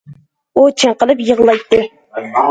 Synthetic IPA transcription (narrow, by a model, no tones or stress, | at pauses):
ut͡ʃʰɪɴqəlˠɨpjəʁlˠɑjt̪ːɪ